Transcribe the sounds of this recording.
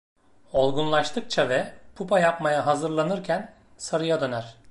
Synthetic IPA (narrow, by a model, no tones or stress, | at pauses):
o̞lˠɡunlˠaʃt̪ʰɯk̚t͡ʃʰavɛpʰupajapmajaɦazɯɾlˠanɯɾcʰæn | saɾɯjad̪ø̞næɾ̥